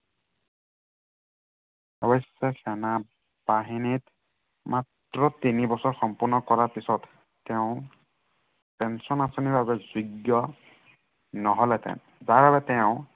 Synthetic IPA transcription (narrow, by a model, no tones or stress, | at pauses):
ɔbɔsːɛsɛna | b̥aɦinit | mat | ɹɔtinibɔsɔɹxɔmpuɹnɔkɔɹaɹpisɔtː | ɛʊ̃ | pɛnsɔnasoniɹbabɛzuɡjɔ | nɔɦɔlɛtɛ̰n | zaɹbabɛtɛʊ̃